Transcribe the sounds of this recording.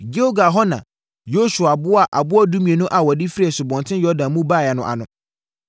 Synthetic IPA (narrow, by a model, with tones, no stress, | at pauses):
d͡ʒe˦o˦ɡa˨ɦɔ˦nã̰˨ | jo˦su˨a˨bʊ˦a˨ʔa˨bʊ˦ɔ˦dũ˦mĩ˨e˨nʊ̃˦ʔa˨wɔ˨dɪ˦fɾi˦ɛ˨sʊ˨bɔ̃˨ntʰɪ̃˦jɔ˦dã˨nmũ˦baː˦˨jɛ˨nʊ̃˨ʔa̰˨nʊ̃˦